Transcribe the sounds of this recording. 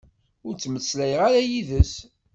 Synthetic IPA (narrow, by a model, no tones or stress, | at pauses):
ʊɾt͡sːməsːlæjəʁaɾæjiðəs